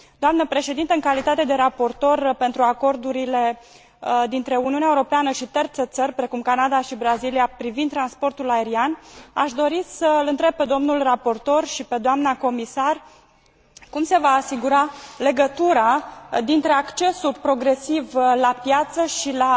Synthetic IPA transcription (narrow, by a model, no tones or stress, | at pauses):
d̪̥oamnəpɾe̞ʃe̞d̪int̪əɨŋkalit̪at̪e̞d̪e̞ɾapo̞rt̪o̞rpe̞nt̪ɾuako̞rd̪uɾile̞ | d̪int̪ɾe̞uniuneaeuɾo̞peanəʃit̪ert̪set̪sərʲpɾe̞kumkanad̪aʃibɾaziliapɾivind̪t̪ːɾanspo̞rt̪ulaeɾianaʃd̪o̞ɾisəlɨnt̪ɾeb̚pːe̞d̪o̞mnulrapo̞rt̪o̞rʃipe̞d̪oamnako̞misar | kumse̞vaːsiɡuɾale̞ɡət̪uɾad̪int̪ɾe̞akt͡ʃe̞sulpɾo̞ɡɾe̞sivlapjat̪səʃila